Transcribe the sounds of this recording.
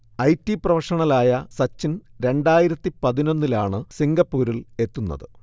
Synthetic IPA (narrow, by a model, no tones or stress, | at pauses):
ɐjtːiprɐʋɐʂɐɳɐlaːjɐsɐt͡ɕːinɾe̞ɳɖaːjiɾɐt̪ːipɐðino̞nːilaːɳɨsiŋɡɐpːuːɾile̞t̪ːunːɐ̰ðɨ